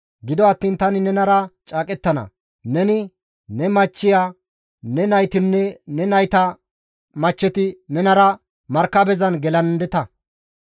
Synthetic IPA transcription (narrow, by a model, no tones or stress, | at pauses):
ɡɪd̪ɔɐt̪ːiːnt̪ɐnɪnɛnɐɾɐt͡ʃʼaːkʼɛt̪ːɐnɐ̰ | nɛnɪ | nɛmɐt͡ʃːɪjaː | nɛnɐjt̪ɪnːɛnɛnɐjt̪ɐ | mɐt͡ʃːɛt̪ɪnɛnɐɾɐ | mɐɾkːɐbɛzɐnɡɛlɐnd̪ɛt̪ɐ